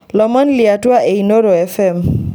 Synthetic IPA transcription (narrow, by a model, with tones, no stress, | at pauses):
lɔ˨ma˦nlɪa˨twa˦ʔe˨ino˦ɾo˨ɛ˦fɛm